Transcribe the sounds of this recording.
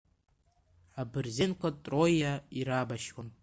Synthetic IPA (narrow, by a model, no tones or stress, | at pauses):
abɨrzenkʷʰatʼrojːaiɾabaʃwan